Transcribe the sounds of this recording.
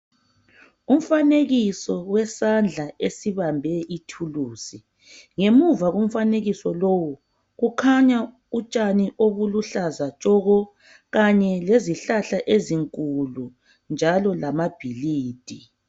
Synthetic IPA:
um̩faneɣisɔwɛsand͡ɮʱaʔesiβambʱɛʔitʰuluːsi | ŋemuvaɣum̩faneɣisɔlowu | ɣukʰaɲa | ut͡ʃʼaniʔoβuluɬazat͡ʃʼɔɣɔ | ɣaɲɛleziɬaɬaʔeziŋkʼulu | nd͡ʒʱalɔlamab̥ʱiliːd̥ʱi

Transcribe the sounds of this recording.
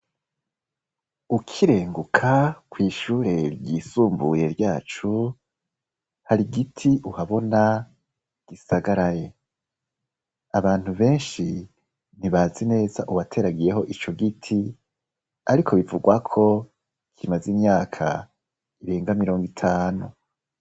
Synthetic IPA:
ukʰiɾe̞ːŋɡukʰakwiːʃuːɾe̞ɾɟiːsuːmbuje̞ɾjaːt͡ʃu | haɾiɡitʰiʔuhaβo̞na | ɡ̥isaɡaɾaje̞ | aβaːn̥huβe̞ːnʃi | niβaːzine̞ːzaʔuβatʰe̞ɾaɡije̞ɦo̞ʔit͡ʃo̞ɡitʰi | aɾikʰo̞βivuɡwakʰo̞ | kʰimazimɲaːkʰa̰ | iɾe̞ːŋɡamiɾo̞ːŋɡitʰaːnu

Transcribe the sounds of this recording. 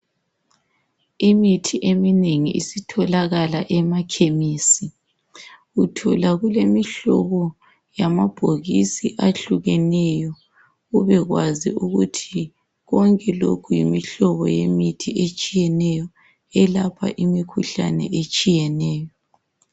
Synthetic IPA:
imitʰiʔemineŋiisitʰɔlaɣalaʔɛmakʰemiːsi | utʰɔlaɣulemiɬɔβɔ | jamab̥ʱoɣisiʔaɬuɣɛnɛjɔ | ɣuβɛɣwaziuɣutʰi | ɣɔŋkʼɛlo̰kʰujḭmiɬɔβɔ̰jemitʰiet͡ʃʼijɛnɛjɔ | ɛlapʰa̰ʔimikʰuɬa̰nɛ̰ʔet͡ʃʼijɛnɛːjɔ

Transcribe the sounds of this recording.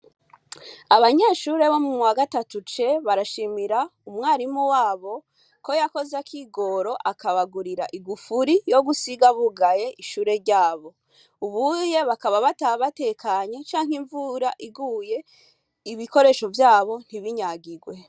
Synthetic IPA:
aβaɲe̞ʃuːɾe̞βo̞mumuwaɡatatut͡ʃe̞βaɾaʃimiɾaumŋaːɾimuwaːβo̞ | ko̞jako̞zakʰiɡo̞ɾo̞ʔakaβaɡuɾiɾaʔiɡufuɾijo̞ɡusiɡaβuɡaje̞ʔiʃuːɾe̞ɾɟaːβo̞ | uβuje̞βakaβaβataβate̞kʰaɲo̞t͡ʃaːŋhiɱvuɾaʔiɡuje̞ | iβiko̞ɾe̞ʃo̞vjaːβo̞n̥hiβiɲaɡiɡwe̞

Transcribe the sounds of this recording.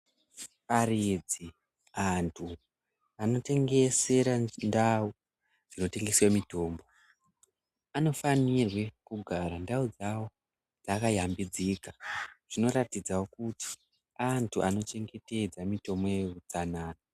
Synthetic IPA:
parid͡zi | antʰu | ano̞te̞ŋɡe̞se̞ɾandau | d͡zino̞te̞ŋɡe̞siwamito̞ːmbo̞ | ano̞fanirwe̞kuɡʱaɾandaud͡zawo | d͡zakajambid͡ziːkaʐ̥ino̞ɾatid͡zawokuti̥ | antʰuʔano̞t͡ʃe̞ŋɡe̞te̞d͡zamito̞mojerut͡sanaːna

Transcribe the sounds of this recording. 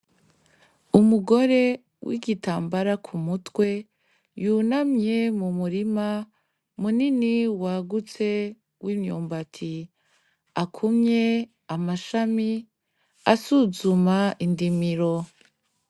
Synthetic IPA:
umuɡo̞ɾe̞ | wʔḭɡitaːmbaɾakʰumutwe̞ | junamɲe̞mumuɾima | muniniwaɡut͡se̞ | wʔimɲṵːmbatʰi | akʰumɲe̞ | amaʃami | asuzumaʔindimiɾo

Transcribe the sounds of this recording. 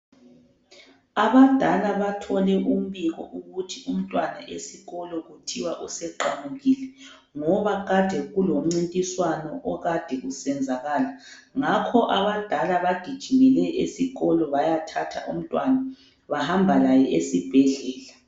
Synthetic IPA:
aβad̥ʱalaβatʰɔlɛʔum̩βiɣɔ̰ʔuɣutʰium̩tʼwanaʔesiɣɔlɔɣutʰiwaʔusɛǃamuɣilɛ | ŋɔβaɣad̥ʱɛɣulom̩ŋ͡ǀintʼiswanɔʔɔɣad̥ʱɛɣusɛnd͡zʱaɣalaŋakʰɔʔaβad̥ʱalaβaɡ̥ʱid̥ʒ̥ʱimɛlɛʔesiɣɔlɔβajatʰatʰa̰ʔum̩tʼwana | βahambʱalajɛʔesib̥ʱɛɮɛːla

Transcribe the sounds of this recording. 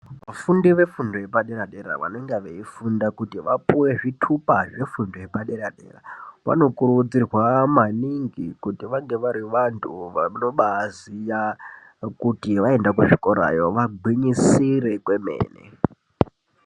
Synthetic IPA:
ʋafundiʋe̞fundoje̞paɗe̞ɾaɗeɾa̰ʋa̰neŋɡeʋeifundakutiʋapuwe̞ʐitʰupaʐe̞fundoje̞paɗe̞ɾaɗe̞̰ːra̰ʋa̰no̞kurud͡zirwamaniŋɡikutiʋaŋɡe̞ʋaɾiʋantʰuʋano̞ɓazija | kutiʋae̞ndak̬uʐiko̞ɾa̰jo̞ʋaɡʱwiɲisiɾe̞kwe̞mḛːnḛ

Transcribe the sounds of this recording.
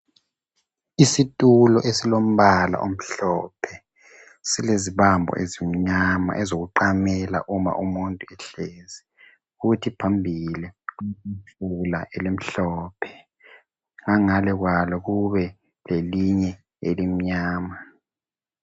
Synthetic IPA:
isitʼulɔʔesilom̩βala̰ʔom̩ɬɔːpʰɛ | sileziβambʱɔ̰ʔezim̩ɲama̰ʔɛzoɣuǃamɛla̰ʔuma̰ʔumuntʼuɛɬeːzɛ | futʰipʰambʱiliuiɬulaʔɛlem̩ɬɔːpʰɛ̥ | ŋaŋalɛɣ̬walɔɣuβɛ | leliɲɛ | elim̩ɲaːma

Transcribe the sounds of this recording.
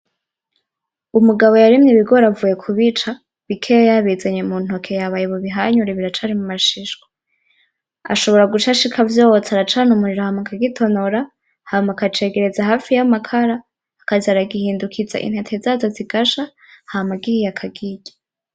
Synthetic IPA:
umuɡaβo̞jaɾimɲiβiɡoɾavuːje̞kʰuβit͡ʃa | βikʰejaβizaɲemun̥o̞kʰe̞jaβajeβoβiɦaɲuɾeβiɾat͡ʃaɾimumaʃiʃɡwa | a̰ʃo̞βo̞ɾaɡut͡ʃaʃikʰavjoːot͡saɾat͡ʃanumuɾiɾohamakʰaɡitʰo̞noɾa | hamakat͡ʃe̞ɡe̞ɾezaɦaːfijamakʰaɾaː | kazaɾaɡihiːndukʰiza̰ʔḭn̥he̞tʰe̞zazoziɡaʃa | hamaɡihijakʰaɡiɟḁ

